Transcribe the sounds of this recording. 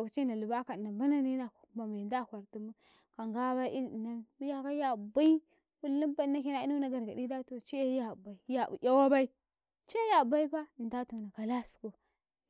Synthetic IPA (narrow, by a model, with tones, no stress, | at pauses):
a˨kt͡ʃi˦na˨lu˨ba˦ka˨na˨ba˦na˦ni˦na˨kma˨me˨nda˦˨kʷa˨ɾti˦mu˦ | ka˨ŋɡa˦ba˦ʔi˦˨na˦mu˦ja˦ka˦ja˦˨ba˦i˦ | wu˦li˦mba˦na˦ke˦na˨i˦nu˦na˨ɡa˨ɾɡa˨di˦da˦to˨t͡ʃe˦ja˦˨ba˨i˨ja˨ṵ˨ʔa˦wa˦ba˦i˦ | t͡ʃe˦ja˨ba˦i˦ba˦˨n˨da˦tu˨na˨ka˨la˦sko˨